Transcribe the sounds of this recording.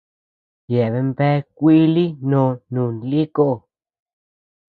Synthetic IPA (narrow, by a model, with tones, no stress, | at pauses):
je˨βe˧mbe˦kʷi˦li˦nõː˨nũː˨nli˦ko˦ʔ